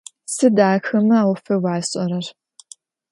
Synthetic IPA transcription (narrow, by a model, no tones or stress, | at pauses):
sɨdaːxɐmɨaːwfɐwaːɕʼɐɾɐr